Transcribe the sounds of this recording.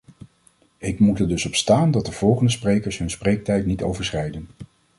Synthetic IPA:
ɪkmutɛɹdɵsɔpstaːndɑt̚dəv̥ɔlˠχəndəsprejkəɹsɦɵnsprejk̚tɛjtnito̰wvəɹsrɛjdən

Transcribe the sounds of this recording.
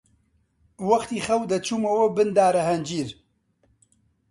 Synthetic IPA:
wɐxt̪iːxɐwd̪ɐt͡ʃʰuːmɐwɐbɨnd̪aːɾɐɦɐnd͡ʒiːɾ

